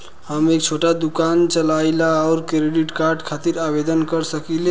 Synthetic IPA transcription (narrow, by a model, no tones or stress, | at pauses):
həmek̚t͡ʃʰoʈad̪ukant͡ʃəlajlaɔʊɾkɾeɖiʈkaɾɖkʰat̪iɾabed̪ənkəɾsəkile